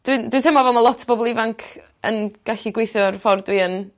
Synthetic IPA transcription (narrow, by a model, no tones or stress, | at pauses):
d̥windwɨntʰɛːmavɛlˠmalˠɔtʰb̥ɔbɔlˠɪvaŋkʰ | ə̰nɡ̥aɬiɡwejθjʊrfɔrdwiən